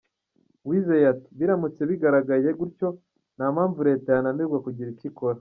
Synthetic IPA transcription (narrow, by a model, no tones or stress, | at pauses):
wizejati̥βiɾamut͡seβiɡaɾaɡaje̞ɡuɾco̞ | namaːɱvuɾe̞tajanamiɾɡwakuɟiɾikikoɾa